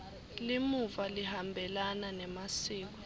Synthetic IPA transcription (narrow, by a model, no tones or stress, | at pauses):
limuvalihambʱɛlananɛmasiːk̬ɔ̥